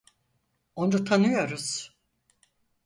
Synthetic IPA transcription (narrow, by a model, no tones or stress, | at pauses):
ondut̪ʰanɯjo̞ɾuz̥